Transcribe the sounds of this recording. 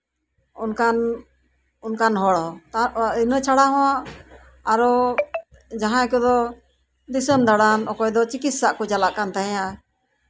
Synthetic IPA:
unkan | unkanɦɔɽɔt̪ainət͡ʃʰaɽaɦɔ̃waʔ | aɾɔ | d͡ʒaɦãkɔd̪ɔ | d̪isəmd̪aɽanɔkɔjd̪ɔt͡ʃikit̪̚saʔkɔd͡ʒalaʔkant̪aɦɛ̃ja

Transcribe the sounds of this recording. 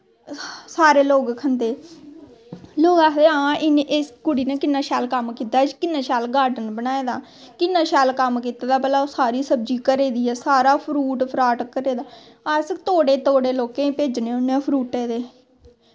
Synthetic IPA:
saːɾeːloːɡkʰənd̪eː | loːɡaːkʰd̪eːãːʔɪnʔɪskʊɽiːneːkɪnːãːʃɛːlkəmkiːt̪aːt͡ʃkɪnːãːʃaːlɡaːɖənbənaːeːd̪aː | kɪnːãːʃɛːlkəmk̬iːt̪aːd̪aːpɛːlãːosaːɾiːsəb̚d͡ʒiːkəɾeːd̪iːɛːsaːɾaːpʰɾuːʈpʰɾaːʈkːəɾeːd̪aː | ast̪oːɽeːt̪oːɽeːloːkẽːpeːd͡ʒnẽːʊnːepʰɾuːʈeːd̪eː

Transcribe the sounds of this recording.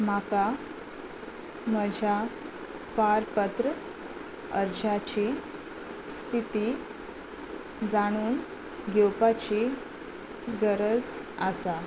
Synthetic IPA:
m̤aka | məd͡ʑʱja | paɾpət̪ɾə | əɾd͡ʑat͡ɕi | st̪ʰit̪i | d͡zaɽ̃uːn | ɡɛwpat͡ɕi | ɡəɾəd͡z | asa

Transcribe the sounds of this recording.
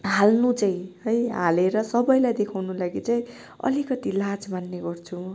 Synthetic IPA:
ɦalnut͡saĩɦʌjɦaleɾʌsʌbʌjlajd̪ekʰawnulaɡit͡saĩ | ʌ̰likʌt̪ilad͡zmanːeɡʌrt͡sʰu

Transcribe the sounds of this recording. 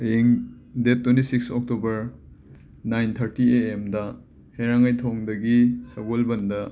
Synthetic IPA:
eŋ | detʰːwentisiksɔk̚tobɐɾ | najnt̪ʰɐɾtieemdɐ | heɾaŋajtʰoŋdɐɡisɐɡolbɐndɐ

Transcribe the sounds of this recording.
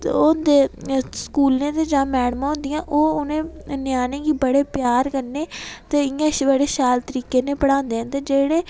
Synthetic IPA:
od̪eːskuːlnẽːt̪eːd͡ʒãːmɛːɽmãːɦõnd̪ijãːʔoːʊnẽːnjaːnẽːɡiːbəɽeːpjaːɾkəɾneːt̪eːɪãʃbəɽeːʃaːlt̪əɾiːkeːnẽːpəɽãːnd̪eːɦɛ̃ːt̪eːd͡ʒeːɽeː

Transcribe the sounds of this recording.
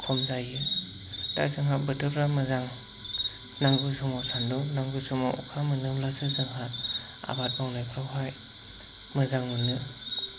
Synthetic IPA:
kʰɔmzajɯ | da̰jzɯŋɦabɯtʰɯpɾamɯzaŋ | naŋɡɯsumasandunaŋɡɯsuma̰ʔɔ̰kʰamɯnɯmlasɯzɯŋɦat | a̰bat̚bɔŋnajkʰɾawɦaj | mɯzaŋmɯnɯ

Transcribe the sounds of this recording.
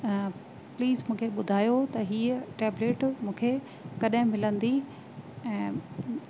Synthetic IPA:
pliːzmũːkʰeɓʊd̪ʱaːjot̪ɐɦiːəʈeːbleːʈmũːkʰe | kɐɗɦɪ̃mɪlə̃nd̪i | ɛ̃ː

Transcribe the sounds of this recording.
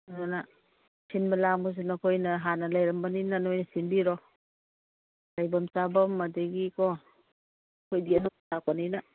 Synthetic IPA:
nona | sinbɐlamos̬inakʰojnɐɦanɐlajɾɐmbaninanojnɐsinbiɾɔ | lajbɐmt͡ʃabɐmːadeɡikɔ | kʰojdiɐnotakanina

